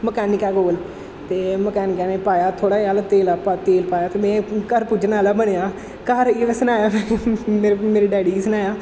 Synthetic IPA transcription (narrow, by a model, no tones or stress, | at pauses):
məkɛːnɪkɛːɡoːl | t̪eːməkɛːnɪkɛːneːpaːjaːt̪ʰoːɽaːiaːlt̪eːlaːpat̪eːlpaːjaːt̪eːmɛ̃ːkəɾpʊd͡ʒnaːlaːbəɽejaː | kəɾiʋɛ̃ːsənaːjaːmɛ̃ːmeːɾmeːɾiːɖɛːɽiːsənaːjaː